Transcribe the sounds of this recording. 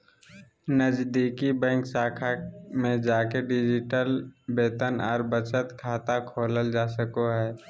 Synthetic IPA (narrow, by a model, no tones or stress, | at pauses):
nəd͡ʒd̪iːkibɛ̃ːŋksaːkʰamẽd͡ʒaːkeɖɪd͡ʒɪʈəlbeːt̪ənɔːɾbət͡ʃət̪kʰaːt̪akʰoːləld͡ʒaːsəkoɦɛː